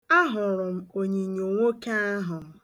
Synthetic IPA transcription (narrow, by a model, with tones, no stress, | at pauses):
a˦ɦʊ˨ɾʊ˨m̩˨o˨ɲi˨ɲo˨ŋʷo˦ka˦a˦ɦʊ˨